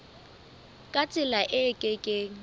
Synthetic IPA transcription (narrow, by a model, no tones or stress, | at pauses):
kʼat͡sʼɪlaʔɪkʼɪkʼɪ